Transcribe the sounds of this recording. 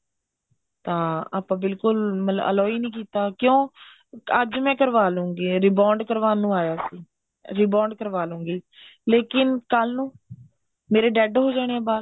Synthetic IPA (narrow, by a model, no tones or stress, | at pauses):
t̪ãːa̰ːpãːbɪlkʊlməə̰lɔːiːnĩːkiːt̪aːkjõː | əd͡ʒmɛ̃ːkəɾʋaːlũːŋɡiːɾiːbaːɳɖkəɾʋaːnũːaːjaːsiː | ɾiːbaːɳɖkəɾʋaːlũːŋɡiːleːkɪnkəlnũː | meːɾeːɖɛːɖɦoːd͡ʒaːɽ̃eɛ̃ːbaːd